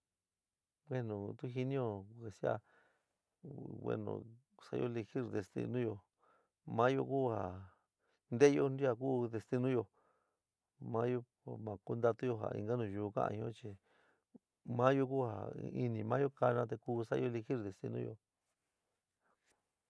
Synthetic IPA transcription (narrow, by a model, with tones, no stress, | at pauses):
wʷe˦nũ˨t̪u˦ɦi˧nĩ˦jo˧ke˨si˦a̰˧ | wḛ˧nõ̰˨˧˨ | sa̰˧jʔo̰˦li˧xi˦ɾðe˧st̪ḭ˧nũ˦jo˧ | mã˦jo̰˧ku˦ha˨ | nd̪e˦jo˧ndi˦a˧k̬uː˦ðe˧st̪i˧nũ˦jo˧ | mã˦jo˧˨ | mã˨ku˦nd̪a˧t̪u˦jo˧ɦa̰˨ḭ̃˧ŋɡa˦nũ˨ʒu˧kã̰˦ʔã̰˧ĩ˧õ˦t͡ʃi˧ | mã˦jo˧ku˦ha̰˨˧i˧nĩ˧mã˦jo˦ka˧nã˧t̪̬e˧kuː˧˦sa˦jo˦li˧xi˦ɾðe˧˨st̪ḭ˧nũ˦˧jo̰˧